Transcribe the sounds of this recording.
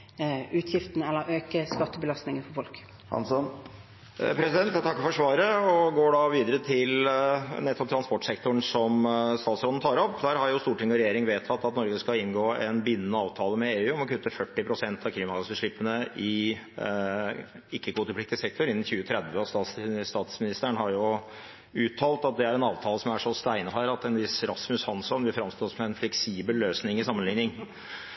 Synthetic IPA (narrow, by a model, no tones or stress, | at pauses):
ʉːt̪ʰjɪft̪n̩ɛlːəʔøːkəskɑt̪ːəbəlɑst̪nɪŋənfɔfɔlk | hɑ̰nsɔn | pʰɾɛsɪd̪ɛnt̪jt̪ʰɑkːəfɔʂʋɑːɾəɔɡoːɖɑʋiːd̪əɾət̪ʰɪlnɛt̪ːɔp̚t̪ʰɾɑnspɔʈːsɛkt̪ʊɳsɔmst̪ɑːt̪sɾɔd̪n̩t̪ʰɑːɾɔpːd̪æːɾhɑɾjʊst̪uːʈʰɪŋːɔɾɛjeːɾɪŋʋeːt̪ʰɑt̪ːɑt̪nɔɾɡəskɑɪnɡoːɛnbɪnːənːəɑːʋt̪ʰɑːləmɛeːʉːɔmɔkʰʉt̪ːəfœʈːɪpʰɾʊsɛnt̪ɑʋkʰliːmɑɑsbəʂɭɪpːənəʔɪ | ɪkːəkʰʋuːt̪əplɪk̚t̪ɪsɛk̚t̪ɔɾɪnːn̩çʉːət̪ʰɾɛd̪ʋəɔst̪ɑːt̪sst̪ɑːt̪smɪnɪst̪əɳɦɑɾjʊ | ʉːt̪ʰːɑːlt̪ɑt̪̚d̪ɛæɾɛnɑːʋt̪ʰɑːləsɔmæʂɔst̪æɪnəɦæːɾɑt̪ɛnʋɪsɾɑsmʉshɑnsɔnʋɪlfɾɑmst̪oːɔsmɛɛnflɛksiːbəlløːsnɪŋɪsɑmːənlɪŋnɪŋ